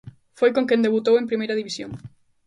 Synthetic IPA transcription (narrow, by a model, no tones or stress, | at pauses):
fojkõŋkẽnd̪eβut̪owẽmpɾimejɾɐðiβisjo̰ŋ